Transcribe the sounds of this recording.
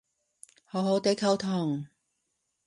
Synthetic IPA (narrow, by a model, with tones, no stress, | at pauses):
ho˨˥who˨˥wt̪e˨˥jkʰɐ˨˧wt̪ʰɔː˨˩ŋ